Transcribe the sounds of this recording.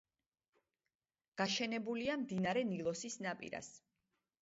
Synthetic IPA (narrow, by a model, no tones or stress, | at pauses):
ɡ̥aʃɛnɛbuliamd̪inaɾɛnilˠɔsisnapʼḭɾa̰s